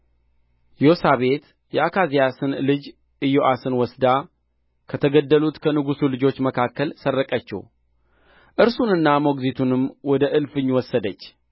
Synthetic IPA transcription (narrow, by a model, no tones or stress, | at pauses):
jo̞saβe̞t̪ | jɛakʰazijasɨnlɨd͡ʒ | ʔɨjoʔasɨnwɔsd̪a | kʰət̪ʰəɡəd̪ːəlut̪kʰənɨɡusulɨd͡ʒo̞t͡ʃːməkʰakːəlsərːəkʼət͡ʃːɛ̰w | ʔɨɾsunɨnːamo̞ɡzit̪ʰunɨmːwɔd̪əʔɨlfɨɲːwɔsːəd̪ət͡ʃː